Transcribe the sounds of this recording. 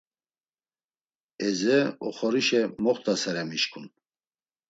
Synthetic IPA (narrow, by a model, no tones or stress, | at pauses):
ɛzɛɔ̰χɔɾiʃɛmɔχt̪ʰʼasaɾɛmiʃkʰun